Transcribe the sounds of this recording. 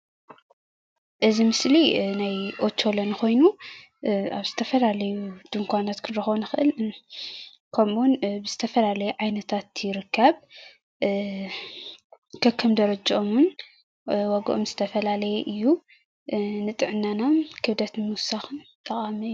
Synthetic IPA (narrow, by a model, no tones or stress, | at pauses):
ʔɨzimɨslinajʔot͡ʃʰːo̞lɐnkʰo̞jnu | aβz̥ɨt̪ʰɐfɐlalɐjud̪̥ɨŋkʰʷanat̪kʰɨɾɐxβnɨxɨʔɨl | kʰɐmunbɨz̥ɨt̪ʰɐfɐlalɐjɛʕajnɐt̪ʰat̪jɪɾɨkʰːɐβ | kʰɐkʰːɐmd̪ɐɾɐd͡ʒɐʔomwun | wɔɡ̰ʔomzɨt̪ʰɐfɐlalɐjeʔɨjːu | nɨt̪ʼɨʕɨnːanamkʰɨβd̪ɐt̪nmɨwʊsaxɨnt̪ʼɐkʼamiɨju